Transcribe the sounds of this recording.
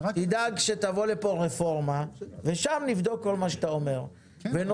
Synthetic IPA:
tid̪aɡʃe̞t̪avo̞lepo̞ʁefo̞ʁmave̞ʃamnivd̪o̞kːo̞lmaʃet̪aome̞ʁ | ven

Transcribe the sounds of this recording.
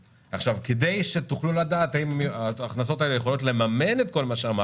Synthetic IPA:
aχʃavked̪ejʃe̞t̪uχlulad̪aːt̪aimaːχnaso̞t̪ae̞lejeχo̞lo̞t̪le̞mame̞net̪̚ko̞lmaʃeama

